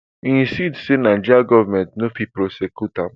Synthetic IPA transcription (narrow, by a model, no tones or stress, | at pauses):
ĩnsidsenãd͡ʒaɡɔvamɛ̃ntnofipɾosekjutã